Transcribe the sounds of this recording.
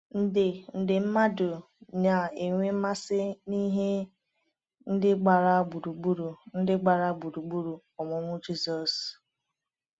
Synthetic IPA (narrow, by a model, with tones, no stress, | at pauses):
n̩˦dɪ˨n̩˨dɪ˨m̩˦ma˦dʊ˨ | na˨e˨ŋʷe˦m̩˦ma˦sɪ˦ni˦ɦe˦ | n̩˦dɪ˦ɡ͡ba˨ɾa˦bu˨ɾu˨ɡ͡bu˦ɾu˨n̩˦dɪ˦ɡ͡ba˨ɾa˦bu˨ɾu˨ɡ͡bu˦ɾu˨ | ɔ˨mʊ˦ŋʷʊ˦d͡ʒi˦zɔ˨s